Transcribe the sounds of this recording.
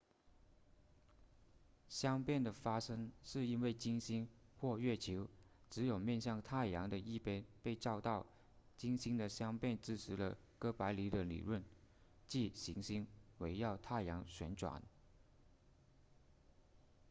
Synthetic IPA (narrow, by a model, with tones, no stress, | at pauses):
ɕjɑ˥ŋpjɛ˥˩nd̪ə˩fa˥ʂɤ˥ŋʂɻ̩˥˩i˥nwe˥˩ɪt͡ɕi˥ŋɕi˥ŋxwɔ˥˧ɥɛ˥˩t͡ɕʰo˧˥ʊ | ʈ͡ʂɻ̩˧˥jo˨˩ʊmjɛ˥˧nɕjɑ˥˧ŋt̪ʰa˥˩ɪjɑ˧˥ŋd̪ə˨i˥˩pɛ˥npe˥˧ɪʈ͡ʂɑ˥˧ʊt̪ɑ˥˩ʊ | t͡ɕi˥ŋɕi˥ŋd̪ə˨ɕjɑ˥ŋpjɛ˥˧nt͡sɻ̩˥˩ʈ͡ʂ̩ʰ˧˥lə̰˧ | kɤ˥pa˧˥ɪli˧˥d̪ə˧lḭ˨˩ɻwə˥˩n | t͡ɕi˥˩ɕi˧˥ŋɕi˥ŋwe˧˥ɪjɑ˥˧ʊt̪ʰa˥˩ɪjɑ˧˥ŋɕɥɛ˧˥nʈ͡ʂwa̰˨˩˦n